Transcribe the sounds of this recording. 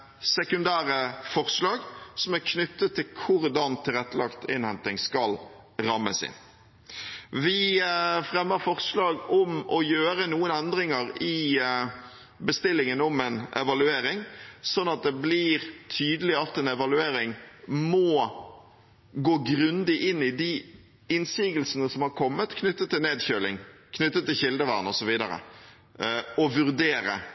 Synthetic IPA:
sɛkʉnd̪æːɾəfɔɾslɑːɡsɔmæɾkʰnʏt̪ːət̪ʰːɪlkʰʊɾd̪ɑnt̪ʰɪlɛt̪ːəlɑkt̪ʰɪ̰nhɛnt̪ɪŋskɑl | ɾɑmːə̰sɪ̰n | ʋɪfɾɛmːəɾfɔʁslɑːɡɔmɔjøːɾənuːənɛnd̪ɾɪŋəɾɪ | bəst̪ɪlːɪŋənɔmɛnʔɛ̰ʋɑlʉeːɾɪŋsɔnːɑt̪̚d̪ɛblɪɾt̪ʰyːd̪əlɪɑt̪ːɛnɛʋɑlʉeːɾɪŋmɔ | ɡoːɡɾʉnd̪ɪʔɪnːɪd̪ɪ | ɪnsiːɡəlsənəsɔmhɑɾkʰɔmːət̪kʰnʏt̪ːət̪ʰːɪlneːd̪çøːlɪ̰ŋkʰnʏt̪ːət̪ʰːɪlçɪld̪əʋæ̰ʁnɔsɔʋiːd̪ə̰ɾə̰ | ɔʋʉɾd̪eːɾə̰

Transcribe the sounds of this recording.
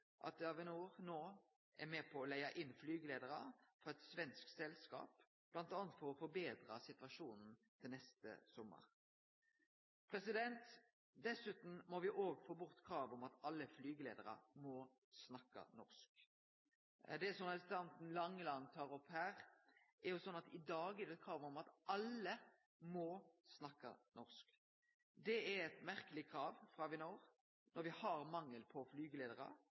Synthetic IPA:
ʔɑ̰t̪ɑʋɛnoːʁnoː | ʔæɾmɛːpʰɔːlæɪɑʔɪnːflyːɡəleːd̪əɾɑfɔʁɛt̪sʋɛnsk̚sɛlskɑ̰ːp | b̥lɑnt̪ɑːnət̪fɔʁɔfɔbeːd̪ʁɑsɪt̪ʋɑʂuːnn̩t̪ʰɪlnɛst̪ə̰sɔmːə̰ʁ | pʰɾɛsɪd̪ɛnt̪ | d̪ɛsʉːt̪n̩mɔʋɪʔoːɡfoːbʊʁt̪kʰɾɑːʋɔmɑt̪ɑlːəflyːɡəlḛːd̪əɾɑ̰mɔ | snɑkːɑ̰nɔ̰ʁsk | d̪ɛsɔmɑlst̪ɑnt̪n̩lɑŋːəlɑnt̪ʰɑːɾɔpːhæːʁʔɛɾjʊsɔnːɑt̪ɪd̪ɑːɡɛd̪ɛt̪̚kʰɾɑːʋɔmɑt̪ʔɑlːə | mɔsnɑkːɑ̰nʔɔʁsk | d̪ɛɛɛt̪mæʁkəlɪkʰɾɑːʋfɾɑʋɪnoːʁ | nʔɔɾʋɪhɑɾmɑŋːəlpʰɔflyːɡəleːd̪əɾɑ̰

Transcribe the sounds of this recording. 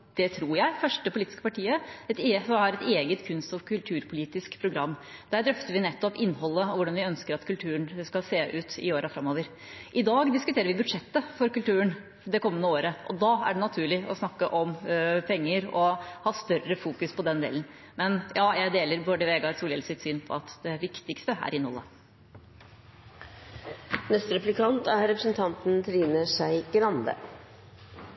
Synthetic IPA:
d̪̥ɛt̪ʰɾuːɾjæɪfœʂʈəpʰʊliːt̪ɪ̥skə̥pɑʈʰiːəɛt̪esɔmæɾɛt̪eːɡət̪kʰʉnst̪ɔʋkʰʉlt̪ʰʉːɾpʰʊliːt̪ɪskpʰɾʊɡɾɑmːd̪æɖ̪ɾœft̪əʋɪnɛt̪ːɔpɪnːhɔlːəɔʋʊɖɑnʋɪœnskəɾɑt̪kʰʉlt̪ʰʉːəɳskɑlseːʔʉːt̪ɪ̰oːɾʔəfɾɑmːoːʋəɾ | ʔɪd̪ɑːɡd̪ɪskʉt̪ʰeːɾəʋɪbʉd̪ʂɛt̪ːəfɔɾkʉlt̪ʉːən | d̪ɛkʰɔmːənəoːɾəʔɔd̪ɑæ̰ɖɛnɑt̪ʰʉːɭɪɔsnɑkːəʔɔmpʰɛŋːəɾɔhɑːst̪œrəfuːkʉspʰɔd̪ɛnd̪ḛːlən | mɛnjɑːjæɪd̪eːləɾbɔɖəʋeːɡɑɾsuːljɛlsɪt̪syːnpʰɔ̰ɑt̪d̪ɛʋɪkt̪ɪkst̪əæ̰ɾɪnhɔ̰lːə | nɛst̪ɾɛplɪkʰɑnt̪æɾɾɛpɾəsn̩t̪ʰɑnt̪n̩t̪ʰɾiːnəʂæɪɡɾɑnd̪ə̰

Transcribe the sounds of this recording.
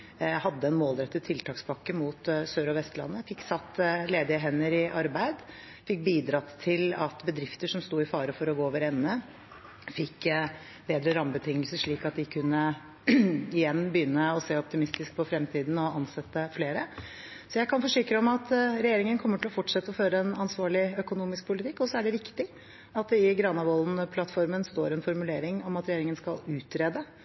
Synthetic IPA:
hɑd̪ːəɛnmoːld̪ɾɛt̪ːət̪ʰːɪlt̪ʰɑːkspʰɑkːəmuːt̪søːɾɔʋɛst̪lɑ̰nːəfɪkːsɑt̪ːleːd̪ɪəɦɛnːəɾɪʔɑɾbæɪd̪ | fɪk̚ːbiːd̪ɾɑːt̪t̪ʰɪlɑt̪bəd̪ɾɪft̪əʂɔmst̪uːɪfɑːɾəfɔɾɔɡoːoːʋəɾɛnːə | fɪkː | beːd̪ɾəɾɑmbət̪ʰɪŋːəlsəʂɭiːkɑt̪̚d̪ɪkʰʉnːə | ɪjɛnːbəjʏnːəɔseːɔp̚t̪ɪmɪst̪ɪsk̚pʰɔfɾɛmt̪ʰiːd̪n̩ɔɑnsɛt̪ːəfleːɾə | sɔjæɪkʰɑnfɔʂɪkɾəɔmɑt̪ɾɛjeːɾɪŋənkʰɔmːəʈʰɪlɔfɔʈʂɛt̪ːəɔføːɾəɛnɑnsʋɑːɭɪœkʊnuːmɪsk̚pʰʊlɪt̪ʰɪkːɔsːɔæɖɛʋɪkt̪ɪ | ɑt̪̚d̪ɛɪɡɾɑnɑʋɔlnpʰlɑt̪fɔɾmənst̪oːɾɛnfɔɾmʉleːɾɪŋɔmɑt̪ɾɛjeːɾɪŋənskɑlʉːt̪ɾeːd̪ə

